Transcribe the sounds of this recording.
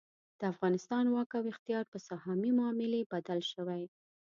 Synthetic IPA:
d̪̥əafɣɑnɪst̪ɑnwɑkawɪxt̪ijɑɾpəsahɑmimʊːmɪlebad̪alʃəwaj

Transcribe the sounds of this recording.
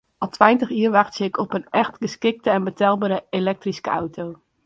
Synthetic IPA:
ʔɑlˠtʋɛjntəχyːɹʋɑχtsəɪkɔpənʔɛxtɡəskɪk̚təɛnbətɛlˠbaːɾəelɛk̚triskəawtʰow

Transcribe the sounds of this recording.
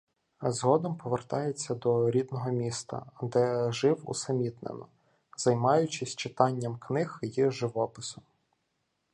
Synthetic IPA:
zɦɔd̪ɔmpɔʋert̪ɑjet͡sʲːɐd̪ɔɾʲid̪nɔɦɔmʲist̪ɐ̰d̪ɛʒɪwṵsɐmʲit̪nḛnɔ | zɐjmɑjʊt͡ʃɪsʲt͡ʃɪt̪ɑnʲːɐmknɪxjiʒɪʋɔpɪsɔm

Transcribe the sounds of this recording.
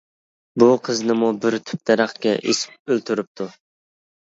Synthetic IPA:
buqʰəznɪmubɪɾt̪ʰy̥p̚d̪ɛɾæχkʲɛʔesɪ̥p̚ølt̪ʰyɾyp̚t̪ʰu

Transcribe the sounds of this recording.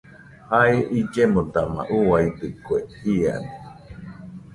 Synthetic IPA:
haeʔid͡ʒemod̪ama̰ʔuaid̪ɨkuehia̰ni

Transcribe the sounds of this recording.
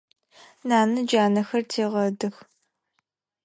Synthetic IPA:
naːnɨd͡ʒaːnɐxɐrtʰeːʁɐdɨx

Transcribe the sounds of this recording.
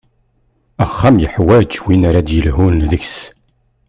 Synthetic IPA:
æχːæmjəħwæd͡ʒwinaɾad̪jəlɦunðəçs

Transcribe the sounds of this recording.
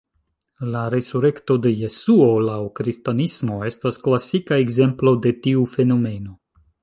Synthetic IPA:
laɾe̞suɾe̞kto̞de̞je̞suo̞lawkɾistanismo̞e̞stasklasikae̞ɡze̞mplo̞de̞tiufe̞no̞me̞no̞

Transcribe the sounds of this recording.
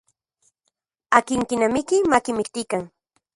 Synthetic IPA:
akɪŋkɪnamɪkɪmakɪmɪkt̪ɪkaŋ

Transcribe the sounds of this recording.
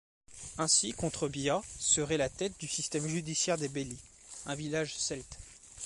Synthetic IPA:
ɛ̃sikɔ̃t̪χəbjasəʁɛlat̪ɛt̪̚d̪ysist̪ɛmʒyd̪isjɛʁd̪ebeli | ɛ̃vilaʒsɛlt̪

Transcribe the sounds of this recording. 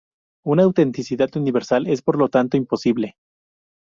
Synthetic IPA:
unaːwt̪e̞nt̪isiðat̪uniβe̞ɾsale̞spo̞ɾlo̞t̪ant̪oimpo̞siβle

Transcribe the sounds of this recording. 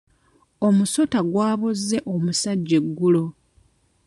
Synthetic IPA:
omuso̞taɡwaːβozːe̞ʔo̞musaɟːe̞ɡːulo̞

